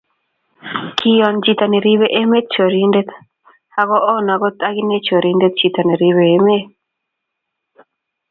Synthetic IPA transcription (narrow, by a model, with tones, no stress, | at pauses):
kʰi˦jɔ˨nd͡ʒi˨t̪a˨ne˨ɾi˦βe˦ʔe˦me˦t̪̚t͡ʃo˨ɾi˦nde˦t̪ | ha˦ɡɔ˦ʔɔ˦na˨ɡɔ˦t̪ʼa˦ɡi˦ne˦t͡ʃo˨ɾi˦nde˦t̪̚t͡ʃi˨t̪a˨ne˨ɾi˦βeː˨˦me˦